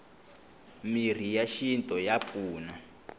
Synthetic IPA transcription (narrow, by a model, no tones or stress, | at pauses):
mir̤ijaʃintʼɔjap̪fuːna